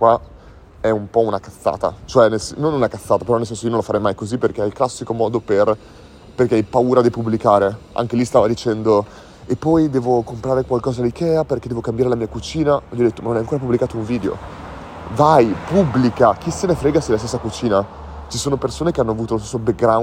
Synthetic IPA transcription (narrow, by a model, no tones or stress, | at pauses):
wa | ɛumpɔunakat̪sːa̰ːt̪a̰t͡ʃoɛnelsnonɛunakat̪sːaːt̪apeɾɔnelsɛnsoionõlafaɾɛjmajkoziperkeajklasːikomɔːd̪oper | perkeajpauːɾad̪ipubːlikaːɾea̰ŋk̟elist̪aːvad̪it͡ʃɛnd̪o | epːɔjd̪ɛːvokompɾaːɾekwalkɔːzad̪ikɛːaperked̪ɛvokambjaːɾelamiːakut͡ʃiːnaʎiɔd̪et̪ːomanonajaŋkoːɾapubːlikaːt̪ouɱviːd̪eo̰ | vajpubːlikak̟isenefɾeːɡasilast̪esːakut͡ʃiːna | t͡ʃisoːnopersoːnekeanːoavuːt̪olost̪sːobek̚ɡɾa